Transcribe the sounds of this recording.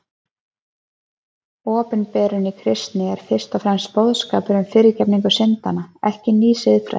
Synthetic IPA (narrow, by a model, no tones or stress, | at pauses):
ɔːpɪnpɛːɾʏnikʰɾɪst̪nɪɛɾ̥fɪr̥st̪ɔfɾɛmspowðskaːpʏɾʏmfɪːɾɪɾcɛpniŋkʏsɪnt̪anaɛhcɪniːsɪðfɾɛ̰